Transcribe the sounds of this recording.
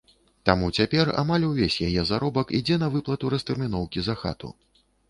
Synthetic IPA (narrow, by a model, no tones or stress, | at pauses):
t̪amut͡sʲapʲɛra̰malʲwvʲesʲjajɛzaɾɔbɐkid͡zʲɛn̪ɐvɨplˠɐt̪uɾɐst̪ɛrmʲin̪ɔwkʲizaxa̰t̪ṵ